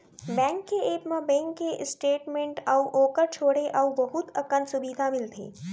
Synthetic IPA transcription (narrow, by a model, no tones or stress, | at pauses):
bɛ̃ːŋkːeeːpmɐ̃bɛ̃ːŋkːeʔsʈeːʈmẽɳʈɐuʔoːkəɾt͡ʃʰoːɽeʔaubɐɦʊt̪ɐkənsʊbid̪ʱamɪlt̪ʰḛː